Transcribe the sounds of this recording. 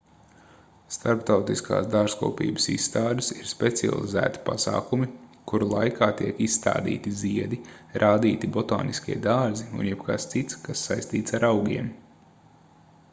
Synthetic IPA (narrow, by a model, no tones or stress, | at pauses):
st̪aɾpt̪awt̪iskʰa̰ːsd̪aːʒskṵːpḭːbə̥sisːt̪aːd̪ɨsiɾspet̪sia̰lˠḭzæ̰ːt̪i̥pa̰sa̰ːkumikuɾulˠajkʰaːt̪iɛkisst̪a̰ːd̪ḭːt̪iziɛd̪iɾʔaːd̪iːt̪ibɔt̪o̰ːniskʲiɛd̪aːɾziṵnjɛbka̰st̪sit̪skasːajst̪iːt̪saɾawɡʲḭɛm